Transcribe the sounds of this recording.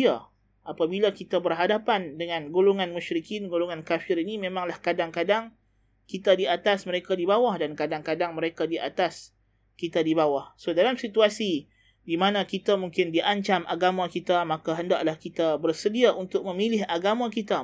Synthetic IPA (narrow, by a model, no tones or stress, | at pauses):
a | ʔapabilakit̪abərɦadapandəŋãnɡoluŋanmuʃɾikɪnɡoluŋankafɪɾinimẽmãŋlahkadaŋkadaŋ | kit̪adiat̪asməɾekadibawahdankadaŋkadaŋməɾekadiʔa̰t̪as | kit̪adibawahsodalamsit̪uasi | dimanãkit̪amuŋkɪndiʔaɲt͡ʃamʔaɡamãkit̪amakaɦəndaʔlahkit̪abərsədiaʔunt̪ʊk̚mə̃milɪɦaɡamãkit̪a